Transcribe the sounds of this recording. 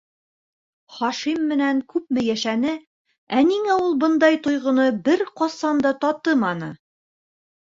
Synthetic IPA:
χɒʃimːɘ̆næŋkʉp̚mɘ̆jæʃænɘ | æniŋæulˠbɤ̆nd̪ɑjt̪ŏjʁɤ̆nɤbɘɾqɒsɑnd̪ɑt̪ɒt̪ɤmɑnɤ

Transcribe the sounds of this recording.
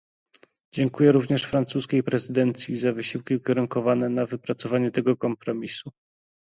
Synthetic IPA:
d͡ʑɛŋkujɛɾuvɲɛʂfɾant̪suskʲejpɾɛzɘd̪ɛnt̪sʲjizavɘɕiwkʲiukʲeɾuŋkɔvanɛnavɘpɾat̪sɔvaɲɛt̪ɛɡɔkɔmpɾɔmʲisu

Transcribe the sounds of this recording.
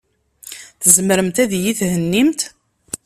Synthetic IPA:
θəzmɾəmt̪æðjiθhənːimt̪

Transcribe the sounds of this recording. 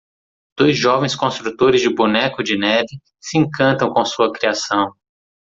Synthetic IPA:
d̪̥ojzʒɔvẽj̃skõst̪ɾut̪oɾɪzd͡ʒɪbunɛkʊd͡ʒɪnɛvɪ | sɪẽŋkɐ̃nt̪ɐ̃w̃kõsuɐkɾiasɐ̃w̃

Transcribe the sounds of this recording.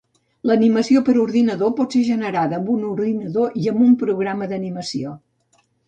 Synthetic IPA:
ləniməsiopəɾuɾðinəðopɔtseʒənəɾaðəːmbunuɾðinəðoʔiəmbumpɾuɣɾaməðəniməsio

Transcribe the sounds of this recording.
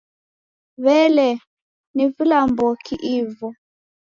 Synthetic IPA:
βɛlɛ | nivilambɔkiʔivɔ

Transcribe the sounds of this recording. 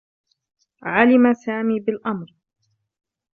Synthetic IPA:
ʕalɪmasaːmiːbɪlʔamɾ

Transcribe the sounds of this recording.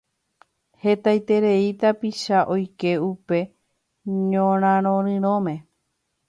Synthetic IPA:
he̞t̪ajt̪e̞ɾe̞it̪apiʃaʔo̞jke̞upe̞ | ɲõɾ̃ãɾ̃õɾɨ̃ɾ̃õmẽ̞

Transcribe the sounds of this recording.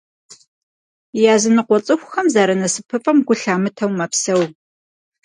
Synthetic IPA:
jaːzɨnɨqʷɔt͡sʼɨxʷxɐmzaːɾɐnɐsɨpʰɨfʼɐmɡʷʊɬaːmɨtʰɐwmɐpsɐw

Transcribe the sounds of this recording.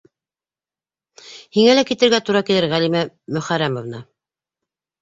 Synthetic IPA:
hiŋælækit̪ɘ̆ɾɡæt̪uɾɑkilɘɾʁælimæ | mɵ̆χæɾæmovnɑ

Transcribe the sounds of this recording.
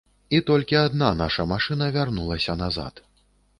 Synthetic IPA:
it̪ɔlʲkʲiad̪nanaʂɐmaʂɨnɐvʲarnulˠɐsʲɐnaza̰t̪

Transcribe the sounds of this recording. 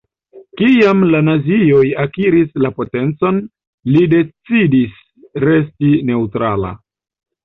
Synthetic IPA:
kiamlanazio̞jakiɾislapo̞te̞nt͡so̞n | lide̞t͡sidis | ɾe̞s̬tine̞utɾala̰

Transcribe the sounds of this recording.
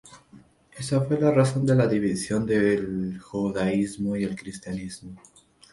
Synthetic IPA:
e̞safwe̞laraso̞nd̪e̞laðiβisjo̞nd̪elxuðaizmo̞ie̞lkɾist̪janizmo

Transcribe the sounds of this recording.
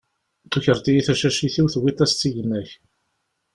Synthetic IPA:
t̪uçəɾt̪ijiθæʃæʃiθiwθwit̪æst͡s̪ːiʝnːæç

